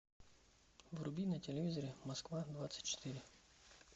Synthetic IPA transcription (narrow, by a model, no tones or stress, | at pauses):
ʋrʊbʲinɐtʲelʲeʋʲizɔɾʲɪmɐskʋad̪ʋat̪sə̥tʲt͡ʃːɪ̥t̪ɪɾʲɪ